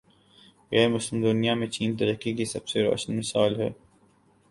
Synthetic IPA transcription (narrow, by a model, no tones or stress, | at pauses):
ɣɛːɾmʊslɪmd̪ʊnijamẽt͡ʃiːnt̪ɐɾəkːikisɐb̥seɾɔ̰ːʃənmɪsaːlɦɛ̰ː